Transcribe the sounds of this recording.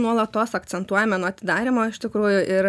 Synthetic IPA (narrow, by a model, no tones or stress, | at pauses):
nuɔlˠɐt̪oːsɐkt̪sʲɛnt̪uɔjɛmʲɛnuɔɐt̪ʲɪd̪ɑːɾʲɪmoːɪʃt̪ʲɪkɾuːjʊʔɪɾ